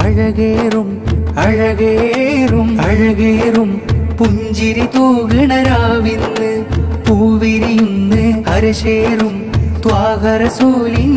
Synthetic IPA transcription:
ɐɻɐɣeːrumɐɻɐɣeːrumɐɻɐɣeːrumpuɲd͡ʑiɾit̪uːɣɐɳɐɾaːʋinːɨpuːʋiɾijunːɨɐɾɐɕeːrum | t̪waːɣɐɾɐsuːli

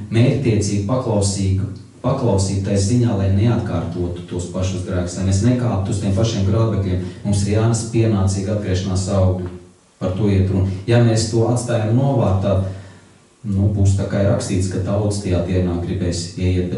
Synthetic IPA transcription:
mɛːɾʲt̪ʲiɛt̪siːɡ̚paklˠawsiːɡ | paklˠawsiːb̚t̪ajziɲaːlˠajneat̪kaːɾt̪uɔt̪u̥t̪uɔspaʃusɡɾæːksajnesnɛkaːt̪ust̪ʲiɛmpaʃiɛmɡɾaːd̪beklʲiɛmmumsiɾjaːnspiɛnaːt̪siːɡad̪̚ɡɾɛːʃanaːsawɡlʲu | paɾt̪uɔiɛt̪ɾunjameːst̪uɔat̪st̪aːjamnuɔvaːt̪ːad̪ | nubuːst̪akajɾakst̪iːt̪skat̪awd̪st̪ajaːd̪iɛnaːɡɾibɛːsiɛjiɛt̪̚be

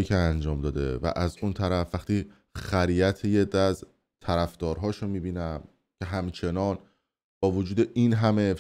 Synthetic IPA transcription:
iːcʰeænd͡ʒɒːmd̪ɒːd̪ḛvæ̰ʔæzunt̪ʰæɾæfːæxt̪iː | xæɾiæt̪ʰejed̪æz | t̪ʰæɾæfd̪̥ɒːɾɦɒːʃonmiːbiːnæm | cʲʰe̞ɦæmt͡ʃʰe̞nɒːn | b̥ɒːvod͡ʒuːd̪e̞ʔinɦæme

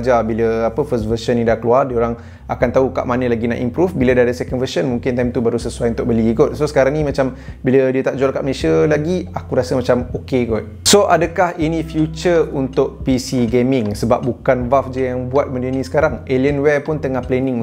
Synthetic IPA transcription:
d͡ʒabiləapəfəst̚vəʃənːĩdahkəluardiəoɾaŋ | akant̪auka̰ʔmanə̃laɡina̰ʔḭmpɾufbilədaadəsɛkənvəʃənmũŋkɪnt̪ajmt̪ubaɾusəsuajunt̪ʊk̚bəliɡɔt̪̚sosə̥kaɾaŋnĩmãt͡ʃambilədiət̪aʔ̚d͡ʒualkaʔməlesəlaɡiakuɾasəmãt͡ʃamokeɡɔt̪̚soʔadəkahinĩfjut͡ʃəunt̪ʊʔ̚pisiɡemɪŋsəbap̚bukanvafd͡ʒəjaŋbuat̪̚mə̃ndinĩsə̥kaɾaŋeliənwɛpʊnt̪əŋahplɛnɪ̃ŋ

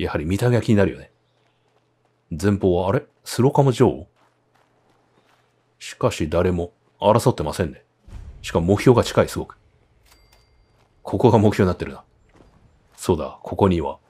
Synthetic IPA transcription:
jahaɾʲimʲit̪amʲeakʲiɲ̟inaɾɯ̟jo̞ne | d͡zẽ̞mpo̞ːβaːɾe̞ | sɨɾo̞kamoʑio̞ː | ɕi̥kaɕid̪aɾe̞mo̞ | aɾaso̞t̪ːe̞masẽ̞nd̪e̞ | ɕi̥kamo̞kɯ̟çʲo̞ːɡat͡ɕi̥kaisɨɡo̞kɯ̥ | kʰo̞ko̞ɡamokɯ̟çoːɲinat̪ːe̞ɾɯ̟n̥a | so̞ːd̪a̰kʰo̞ko̞ɲ̟iβa̰

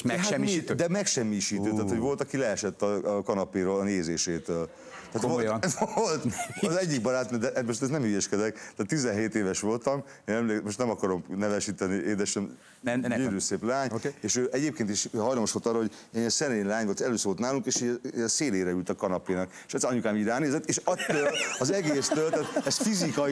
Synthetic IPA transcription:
mɦaɛiid̪ɛmɛkʃɛmːiʃiːt̪øːt̪aːt̪ho̞ɟvo̞lt̪ɒkilɛːʃɛt̪ːɒkɒnɒpeːɾoːlɒneːzeːʃeːt̪øːl | t̪aːt̪oj̪olt̪ɒzɛɟːik̚bɒɾaːt̪nid̪ɛʔmoʃt̪ɛznɛmhijɛʃkɛd̪ɛkt̪aːt̪ːizɛnɦeːt̪eːvɛʃʋo̞lt̪ɒm | eːnɛmleːkmo̞ʃtnɛmɒkɒɾomnɛvɛʃiːt̪ɛniʔeːd̪ɛʃɛn | d͡ʒyːɾyseːplaːɲeːʃøːʔɛɟeːp̚keːnt̪iʃɦɒjlɒmoʃʋolt̪ɒroɦɟenɛsɛneːnlaːɲʋolt̪ɛløːsvolt̪naːluŋkeːʃiːɟɛseːleːɾɛylt̪ɒkɒnɒpiːnɒke̥ʃɛt̪sɛɒɲukaːmiɾaːneːzɛt̪eːʃɒt̪ːøːlɒzɛɡeːst̪øːlt̪aːt̪ɛsfizikɒ

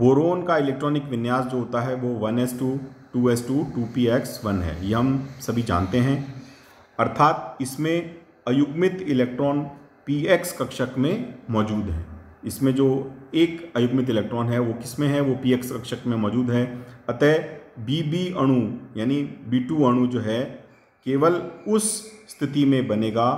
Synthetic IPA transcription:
boːɾoːnkaɪlɛːk̚ʈɾɔːnɪkʋɪnjaːsd͡ʒoːɦoːt̪aɦɛʋoʋɐnɛːsʈuːʈuːɛːsʈuːʈuːpiːɛksʋɐnɦɛ̰ːjeɦɐmsɐbʱid͡ʒa̰ːnt̪eɦɛ̃ː | ɐɾt̪ʰaːt̪ɪsmẽ | ɐjʊɡmɪt̪ɪlɛːk̚ʈɾɔːn | piːeːkskɐkʃəkmẽmɔːd͡ʒuːd̪ɦɛ̰ːɪsmẽd͡ʒoːeːkɐjʊɡmɪt̪̬ɪleːk̚ʈɾɔːnɦɛʋokɪsmẽɦɛʋopiːeːkskɐkʃəkmẽmɔːd͡ʒuːd̪ɦɛɐt̪ɛbiːbiːɐɽ̃ujaːnibiːʈuːɐɽ̃ud͡ʒoːɦɛ | keːʋəlʊsst̪ʰɪt̪imẽbɐneːɡaː

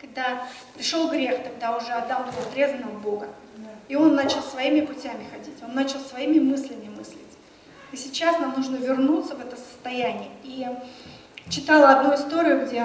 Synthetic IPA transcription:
kɐɡ̚d̪apɾʲɪʂo̞lˠɡɾʲe̞xt̪ɐɡ̚d̪aʊʐɛɐd̪ːalˠbʲɪzʲɐt̪ɾʲe̞zvənəvəbo̞ɡə | io̞nːat͡ɕɪlˠsvɐimʲɪpʊtʲæmʲɪxɐdʲitʲo̞nːat͡ɕɪlˠsvɐimʲɪmɨsʲlʲɪmʲɪmɨsʲlʲɪtʲ | isʲɪt͡ɕːasnamnuʐnəvʲɪrnut̪səvɛt̪əsə̥st̪ɐjænʲɪjəi | t͡ɕːɪt̪alˠəɐd̪nuɪst̪oɾʲɪʊɡdʲe

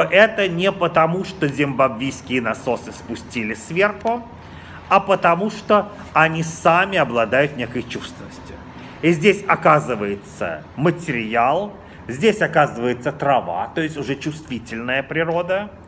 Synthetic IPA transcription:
ʔɛt̪ənʲɪpət̪ɐmuʂt̪ozʲɪmbɐbvʲijskʲɪjənɐso̞sɨspʊsʲtʲilʲɪsvʲerxʊ | ɐpət̪ɐmuʂt̪o | ɐnʲisamʲɪɐblˠɐd̪ajʊt̪nʲe̞kəjt͡ɕust̪vʲɪnːəsʲtʲʊ | izʲdʲesʲɐkazɨvəjɪt̪sə̰ | mətʲɪɾʲjalˠ | zʲdʲesʲɐkazɨvəjɪt̪sət̪ɾɐva̰t̪o̞ɪsʲtʲʊʐɛt͡ɕʊst̪vʲitʲɪlʲnəjəpɾʲɪɾo̞d̪ə

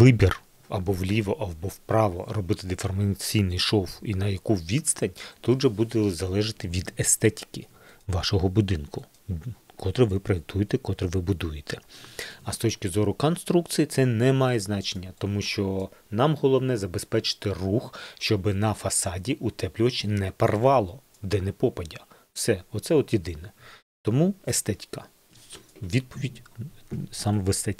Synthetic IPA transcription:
ʋɪbʲir | ɐ̰bɔʋlʲiʋɔʔɐbɔwpɾɑʋɔ̰rɔbɪt̪ɪd̪ɪfɔrmɐt͡sʲijnɪjʃɔwinɐjɐkuʋʲid̪st̪ɐnʲt̪ud̪ʒɛbud̪ɛzɐlˠɛʒɪt̪ɪʋʲid̪est̪ɛtʲi̥kʲɪ | ʋɑʃɔɦɔbʊd̪ɪnkʊ | kʰɔt̪ɾɪʋɪpɾɔjek̚t̪ʰujet̪ɛkɔt̪ɾɪʋɪbʊd̪ujet̪ɛɐst̪ɔt͡ʃkʲɪzɔɾʊkɔnst̪ɾukt̪sʲijit̪sɛnɛmɑjɛznɑt͡ʃenʲːɐt̪ɔmuʃt͡ʃɔnɑmɦɔlˠɔwnɛzɐbespɛt͡ʃɪ̥t̪ɪruxʃt͡ʃɔbɪnɐfɐsɑdʲiʔut̪ɛplʲʊʋɐt͡ʃinɛpɐrʋɑlˠɔ | d̪ɛnepɔpɐdʲɐ | wsɛɔt̪sɛɔt̪jed̪ɪnɛ | t̪ɔmuest̪ɛtʲkɐ | ʋʲid̪̚pɔʋʲidʲ | sɑmʋest̪ɛtʲ

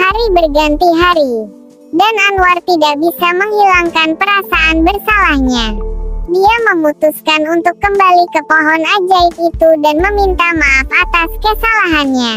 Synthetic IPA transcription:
haɾibərɡant̪iɦaɾi | dananuwart̪idak̚bisaməŋhilaŋkanpəɾasaʔanbərsalahɲadiaməmut̪uskanunt̪ʊkːəmbalikəpoɦɔnad͡ʒaɪt̪it̪udanməmint̪amaʔafat̪askəsalaɦanɲa

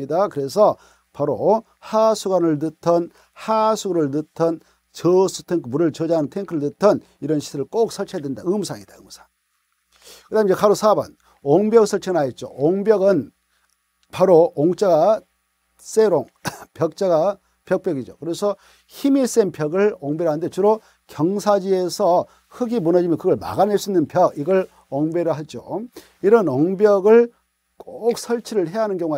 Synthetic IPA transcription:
idakɯɾe̞sʰʌ | paɾo | hasʰuɡanɯɭnɯtʰʌn | hasʰuɡɾɯɭnɯtʰʌn | t͡ɕʌsʰutʰeŋkʰɯmuɾɯɭt͡ɕʌd͡ʑaanɯntʰeŋkʰɯɾɯɭnɯtʰʌn | iɾʌnɕʰi̥sʰɯɾɯɭk͈ok̚sʰʌɭt͡ɕʰedwendaɯmsʰaŋid̥aɯmsʰḁŋ | kɯdamid͡ʑekaɾosʰabʌ̰n | oŋbjʌɡɯsʰʌɭt͡ɕʰeɯnaet̚t͡ɕ͈o̰oŋbjʌɡɯn | paɾooŋt͡ɕ͈aɡa | s͈eɾoŋ | pjʌk̚t͡ɕ͈aɡa | pjʌk̚p͈jʌɡid͡ʑokɯɾe̞sʰʌ | çimis͈enpʰjʌɡɯɭoŋbeɾandet͡ɕɯɾo | kjʌŋsʰad͡ʑie̞sʰʌ | kɯɡimunʌd͡ʑimjʌnkɯɡʌɭma̰ɡaneɭs͈uinːɯnpjʌɡiɡʌɭ | oŋbeɾɯɭɦad͡ʑo | iɾʌnoŋbjʌɡɯɭ | kok̚sʰʌɭt͡ɕʰiɾɯɭɦe̞ɦanɯnkjʌŋ

